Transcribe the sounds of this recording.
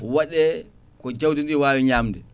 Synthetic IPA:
waɗɛ | kɔd͡ʒawtindiwaːwiɲaːmdɛ

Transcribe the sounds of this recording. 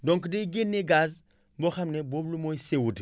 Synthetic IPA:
doŋkdeiɡenneɡaz | mboxamneboblumoisewud

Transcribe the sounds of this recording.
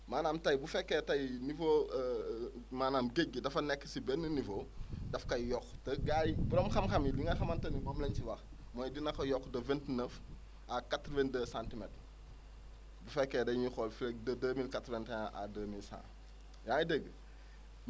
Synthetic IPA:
maːnaːmtɐjbufɛkːetɐjnifo | maːnaːmɡeɡːədɐfɐnɛkːsibɛnːənifodɐfkɐjjɔxtɐɡajbuɾɔmxɐmxɐmidiŋɡɐxɐmɐntɐnibomlɐɲt͡ʃiwɐx | mojdinɐxɐjɔxdɐvɛntnəf | akatɾvendəsaːntimet | bufɛkːedɐjɲixɔlfilek̚dɐdəːmilkatɾventaa̰dəːmilsã̰ː | jaːŋdəɡ

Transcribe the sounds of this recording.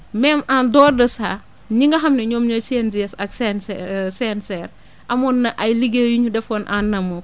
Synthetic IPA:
mɛmandɔːrdəsaː | ɲiŋɡɐɦɐmnɛɲɔːmɲɔsend͡ʒiɛsɐk̚sɛnssɛnsɛr | ʔɐmɔnːɐʔɐjliɡejuɲudɛfɔːnʔanːɐmɔ

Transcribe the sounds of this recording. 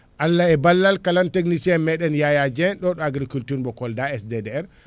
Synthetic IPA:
ʔalːaɛbalːalkalantek̬nisɛmɛɗɛnjajad͡ʒɛnɗɔɗɔaɡɾikultuɾbɔkɔldaɛsdɛdɛɛɾ

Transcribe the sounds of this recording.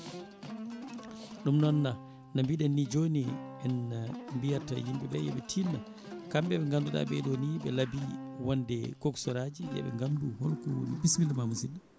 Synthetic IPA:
ɗumnɔnːa | nambiɗɛnːid͡ʒoniɓɛnambijata̰jimbɛɓɛjɛ̰ɓɛtʰinːa | kamɓɛbɛŋɡanduɗa̰ɓɛ̰ɗoniɓɛlabiwandɛkɔksɔɾad͡ʒiɗɛ̰ɓɛ̰ŋɡanduhɔlkunibismildumamusina

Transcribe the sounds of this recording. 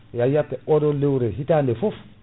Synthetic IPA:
jajatːɛʔɔdɔlewɾeɦitandɛfof

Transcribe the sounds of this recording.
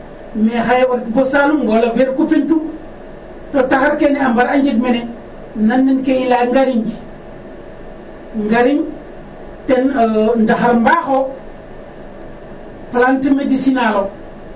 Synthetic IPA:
mexajewaɾbosalumɡoloveɾkupintu | totaxaɾkeneambaɾaɲd͡ʒidmene | nanːinkeilaŋɡaɾiɲ | ŋɡaɾiɲ | tenndaxaɾmbaxo | plantmedisinalo

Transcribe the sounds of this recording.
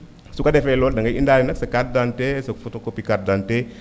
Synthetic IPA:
sukadefeloldaŋɡaḭndalinaksakat̚dantesakfutokopikat̚dante

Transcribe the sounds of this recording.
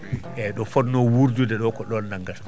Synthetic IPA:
ɛɗɔfɔdnɔwuɾd͡ʒudɛɗɔkɔɗɔnːaŋɡas

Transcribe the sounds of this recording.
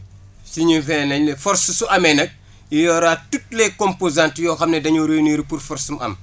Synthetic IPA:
siɲifɛnɐɲlɛfɔɾssuʔɐmɛnɐk̚ | jijɔːɾatut̚ːlɛkompozãntjɔːxɐmnɛdɐɲuɾoniːɾpurfɔɾsumʔɐ̰m

